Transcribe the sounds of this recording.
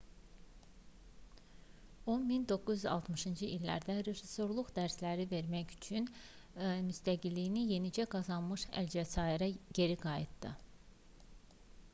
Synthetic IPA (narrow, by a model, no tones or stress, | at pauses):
onmind̪o̞kːuzyzɑ̰lˠt̪ʰmɯʃɯnd͡ʒɯʔilːæ̰ɾd̪æɾefɾiso̞ɾlˠuʁd̪æɾslæɾive̞ɾmæçy̥t͡ʃʰyn | myst̪æɟilːijnije̞nid͡ʒæɡɑzɑnmɯʃæ̰ld͡ʒæsɑiɾæɟe̞ɾiɡɑjit̪d̪ɯ